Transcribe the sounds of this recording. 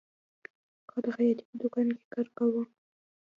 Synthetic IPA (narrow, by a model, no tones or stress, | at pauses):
kɑd̪əxajɑt̪i̥pəd̪ʊkɑnke̥kɑɾkawu